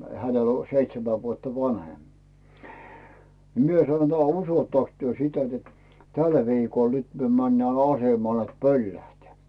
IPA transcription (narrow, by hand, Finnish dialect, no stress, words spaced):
hænel o seitsemæ ʋuotːɑ ʋɑnhem ni mie sɑno t usotːɑks tyø sitæ net tæl ʋiːkol nyt myø mænːæː ɑsemɑl net pølːæhteæˑ